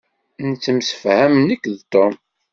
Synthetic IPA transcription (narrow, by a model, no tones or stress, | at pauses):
nt͡sːəmsə̥fhæmnikːðt̪ˤːom